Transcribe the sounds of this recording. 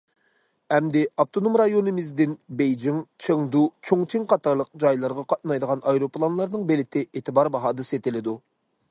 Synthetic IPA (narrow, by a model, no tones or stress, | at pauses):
ɛmd̪ɪɑpt̪ʰonomɾɑjonɨmɪzd̪ɪnbejd͡ʒiŋt͡ʃʰəŋd̪ut͡ʃʰoŋt̪ʰiŋqʰɑt̪ʰɑɾlˠəq̚d͡ʒɑjlˠɑɾʁɑqʰɑt̪̚nɑjd̪əʁɑnʔɑjɾoplˠɑnlˠɑɾnɨŋbelɪt̪ʰɪeːt̪ʰɨbɑɾbɑɦɑːd̪ɨset̪ɪlɪd̪u